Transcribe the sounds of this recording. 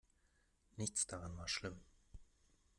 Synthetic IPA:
nɪçt͡sd̥aʁanvaːɐʃlɪm

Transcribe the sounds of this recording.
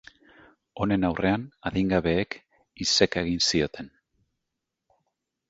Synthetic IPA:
o̞ne̞nawre̞anaðiŋɡaβ̞e̞ːk | ise̞kaeɣ̞insio̞t̪ʰe̞n

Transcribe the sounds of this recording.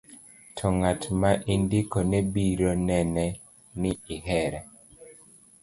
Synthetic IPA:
tʰɔŋatmaʔindikɔnebiɾonɛnɛ | nɪiɦɛɾɛ

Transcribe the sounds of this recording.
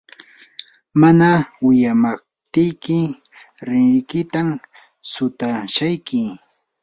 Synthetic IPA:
manawɪjamaχ̚ | t̪ɪjkɪ | ɾɪɾɪkɪt̪am | sʊt̪aʃajkɪ

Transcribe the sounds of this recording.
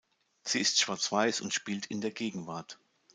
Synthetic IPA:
z̥iːɪstʃv̥aɐt͡sv̥aɪsʊ̰ntʃpiːltɪndeːɐɡeːɡŋ̩vaɐt

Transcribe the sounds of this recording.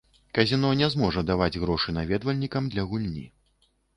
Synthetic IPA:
kɐzʲinɔnʲɛzmɔʐɐd̪avad͡zʲɣɾɔʂɨnavʲɛd̪vɐlʲnʲikɐmd̪lʲɐɣulʲnʲḭ

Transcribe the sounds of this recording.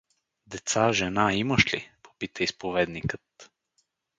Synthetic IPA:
d̪ɛt̪saʒɛnaiməʃlḭpo̥pit̪əispovɛd̪nikət̪

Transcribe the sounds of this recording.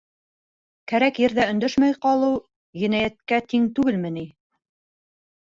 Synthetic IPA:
kæɾækjɘ̆ɾðæɵ̆nd̪ɵʃmæjqɑlˠɤw | jɘ̆næjæt̪̚kæt̪iŋt̪ʉɡɘlmɘ̆ni

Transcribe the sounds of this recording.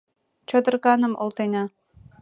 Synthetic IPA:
t͡ɕod̪ɤ̆rkɑnəmolt̪enɑ

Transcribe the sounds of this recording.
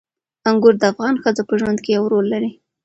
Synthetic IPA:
aŋɡʊɾd̪əafɣɑnxəd͡zopəʒwand̪kejawɾolːaɾi

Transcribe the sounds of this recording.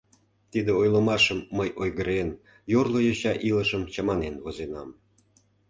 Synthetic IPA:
t̪id̪eojlə̆mɑʃəmːəjʔojɣəɾen | jorlˠojɤɕɑʔilə̆ʃəmt͡ɕɑmɑnenvozenɑm

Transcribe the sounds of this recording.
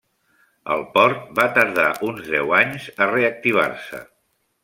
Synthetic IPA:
ə̰lˠpɔɾt̪̚bat̪əɾða̰ʔunzðɛ̰waɲzəreək̚t̪iβ̞a̰rsə̰

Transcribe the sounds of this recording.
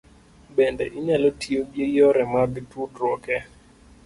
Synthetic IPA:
bɛndɛʔiɲalotʰiobjejɔɾɛmaɡtutɾwɔkɛ

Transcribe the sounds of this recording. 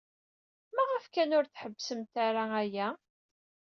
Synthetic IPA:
mæʁəfkænʊɾθħəbːsəmt̪aɾaæjæ

